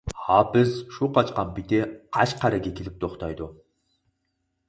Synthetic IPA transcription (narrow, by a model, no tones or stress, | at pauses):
hɑbɪzʃuqʰɑt͡ʃqɑnpit̪ɪqʰɑt͡ʃqʰæɾɪɡʲekʲʰelɪp̚t̪ʰoχt̪ʰɑjd̪ʊ